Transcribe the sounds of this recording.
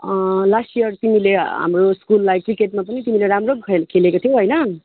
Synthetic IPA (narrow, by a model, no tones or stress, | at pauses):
lasijʌrt̪imileɦa̰mroskulːajkrikeʈ̚map̬ʌnit̪imileɾamrokʰkʰelekot̪ʰijowɦʌjnʌ